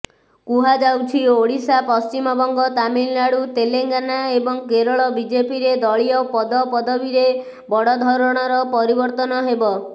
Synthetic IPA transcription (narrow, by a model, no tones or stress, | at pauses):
kuɦad͡ʒawt͡ʃʰioɽisapɔst͡ʃimɔbɔŋɡɔt̪amillaɽut̪eleŋɡanaebɔŋkeɾɔɭɔbid͡ʒepiɾed̪ɔɭiɔpɔd̪ɔpɔd̪ɔbiɾe | bɔɽɔd̪ʱɔɾɔɽ̃ɔɾɔpɔɾibɔɾt̪ɔnɔɦebɔ